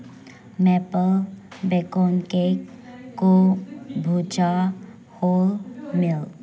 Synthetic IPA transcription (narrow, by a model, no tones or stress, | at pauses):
mɛpəlbekoːnkek | kːobʱuːd͡ʒa | hoːlmɪl